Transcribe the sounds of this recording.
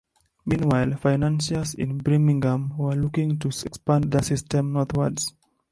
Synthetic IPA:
mĩnwajlˠfaɪnãnsəsɪ̰̃nbɹimĩŋɡãmwəlukĩŋtuɛkspãnðəsistɛ̃mnɔθwəds

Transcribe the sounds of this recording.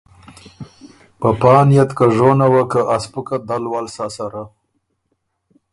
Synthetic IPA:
pəpɑːnjat̪kaʐonawakəʔaspukad̪alwalsasaɾa

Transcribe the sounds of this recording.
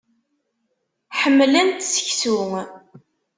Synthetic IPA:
ħəmːlænt̪sə̥çsuŋ

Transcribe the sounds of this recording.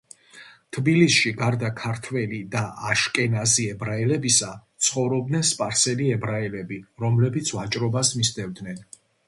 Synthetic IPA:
t̪ʰbilisʃiɡaɾd̪akʰaɾt̪ʰwɛlid̪aʔaʃkʼɛnaziɛbɾaɛlɛbisat̪sʰχɔvɾɔbd̪nɛnspʼaɾsɛliɛbɾaɛlɛbiɾɔmlɛbit̪sʰvat͡ʃʼɾɔbasmisd̪ɛvd̪nɛn

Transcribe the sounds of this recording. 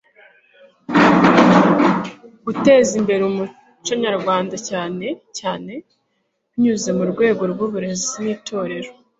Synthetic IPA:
ɡ̥ute̞ːzimbe̞ɾeumu | t͡ʃoɲaɾɡwaːndacaːne̞caːne̞ | ɲuze̞muɾɡwe̞ːɡo̞ɾɡuβuɾe̞ziniːtʰo̞ːɾe̞ɾo

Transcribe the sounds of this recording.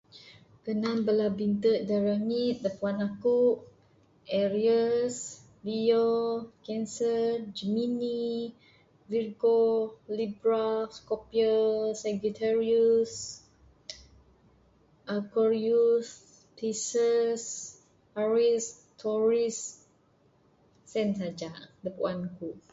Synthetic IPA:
kənãnbəlabint̪ət̪̚daɹaŋit̪̚dəpuanakuʔ | ʔɛɹias | bijokɛ̃nsəd͡ʒəmini | virɡolibɹafskɔpiəsɛɡut̪ʰaɹius | ʔakɔɾius | t̪isəs | aɹis | t̪ʰɔɹis | ɛns̬ad͡ʒadəpuanakuʔ

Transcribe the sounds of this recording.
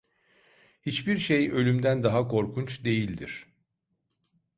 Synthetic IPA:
hit͡ʃbiɾʃejø̞lʲymd̪ænd̪aɦakʰo̞ɾkʰunt͡ʃd̪e̞jilʲd̪ḭɾ̥

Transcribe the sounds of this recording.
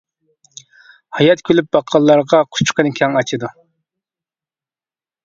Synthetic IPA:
hɑjɑt̪kʲʰølyp̚bɑqʰːɑlˠːɑɾʁɑqʰʊ̥t͡ʃʰqʰənkʲʰɛŋɑt͡ʃʰɨd̪u

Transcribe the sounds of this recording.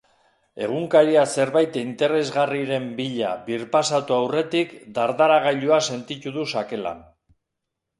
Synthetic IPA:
e̞̰ɣ̞uŋkaɾiase̞ɾβajt̪eint̪e̞ɾe̞zɣariɾe̞mbiʎa̰βiɾpasat̪uawre̞t̪ikd̪aɾðaɾaɣ̞aʎuase̞nt̪it̪uðusake̞la̰n

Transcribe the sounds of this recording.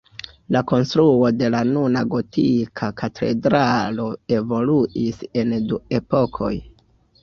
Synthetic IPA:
lako̞nstɾuo̞de̞lanunaɡo̞tʰikʰakatʰe̞̰dɾalo̞e̞vo̞luise̞ndue̞po̞kʰo̞̰j

